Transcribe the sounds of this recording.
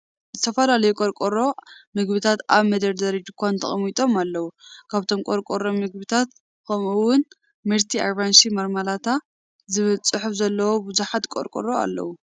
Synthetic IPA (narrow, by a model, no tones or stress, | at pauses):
zɨt̪ʰɐfɐlalɐjukʼoɾkʼoɾo̞mɨɡbɨt̪ʰat̪aβmɐd̪ɐɾd̪ɐɾid͡ʒ̪ɨkʰʷːant̪ʰɐ̰χʼmit̪ʼo̞malːɐwukʰaβt̪ʰo̞mkʼoɾkʼoɾomɨɡ̚bɨt̪ʰat̪ | kʰɐmuwʊn | mɨɾt̪ʰia̰βanʃimɐɾmalat̪ʰa | zɨβɨlt͡sʼɨħufzɐlːɐwobɨzuħat̪kʼo̰ɾkʼo̰ɾoa̰lːɐ̰wu